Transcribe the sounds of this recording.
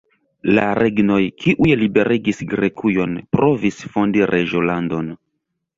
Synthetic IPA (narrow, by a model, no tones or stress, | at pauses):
la̰ɾʔeɡno̞jkiʔujlibe̞ɾʔeɡisɡɾe̞kʰujo̞npɾʔo̞visfondiɾʔeʒolando̞n